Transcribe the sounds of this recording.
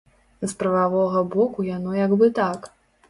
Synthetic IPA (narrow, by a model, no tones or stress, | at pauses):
zpɾɐvavɔɣɐbɔkujanɔjaɡbɨt̪ak